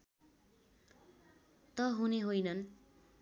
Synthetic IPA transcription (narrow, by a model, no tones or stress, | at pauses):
t̪ʌɦuneɦojnʌn